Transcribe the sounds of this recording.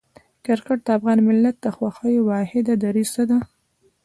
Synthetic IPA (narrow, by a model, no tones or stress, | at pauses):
kaɾkaʈ̚d̪əafɣɑnmɪlːat̪̚d̪əxwaxəjewɑhɪd̪ad̪aɾizt̪ad̪a